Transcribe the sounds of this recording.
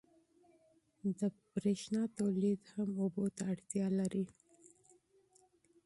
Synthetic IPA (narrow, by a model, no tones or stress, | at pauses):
d̪əbɾeʃnɑt̪awlid̪hamobot̪aːɽt̪jɑlaɾi